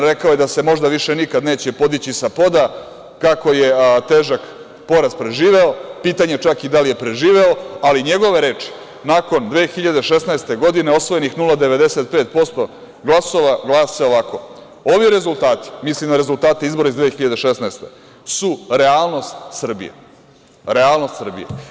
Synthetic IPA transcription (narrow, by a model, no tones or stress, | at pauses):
ɾe̞kaojed̪ase̞mo̞ʒd̪aʋiʃe̞nikad̪ne̞ːt͡ɕepo̞d̪it͡ɕisapo̞d̪a | kako̞je̞t̪e̞ːʒak | po̞ɾazpɾe̞ʒiːʋe̞opiːt̪aɲe̞t͡ʃakid̪alije̞pɾe̞ʒiːʋe̞oaliɲe̞ɡo̞ʋe̞ɾe̞ːt͡ʂi̥ | naːko̞nd̪ʋeːxiʎad̪eʃesnaest̪e̞ɡo̞d̪ine̞o̞sʋo̞jenixnulˠad̪e̞ʋe̞d̪e̞set̪̚pe̞ːt̪̚po̞st̪o̞ | ɡlˠaso̞ʋaɡlˠaːseo̞ʋako̞ | oʋiɾe̞zulˠt̪aːt̪i̥mislimd̪aɾe̞zult̪aːt̪eizbo̞ɾaizd̪ʋeːxiʎad̪eʃesnaest̪e̞̰ | suɾeaːlˠno̞st̪sr̩bḭjḛ | ɾealˠnost̪sr̩bḭjḛ